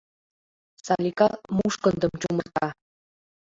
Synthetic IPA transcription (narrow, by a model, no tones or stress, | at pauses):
sɑlʲikɑmuʃkɤ̆nd̪ɤ̆mt͡ɕumɤ̆rt̪ɑ